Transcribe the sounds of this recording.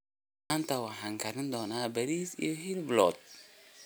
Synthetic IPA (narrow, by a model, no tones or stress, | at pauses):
aːnt̪ʰɐwɑħaːŋkʰɐɾɪnd̪ɔːnaːbɐɾiːsḭjɔɦilblɔ̰ːd̪̚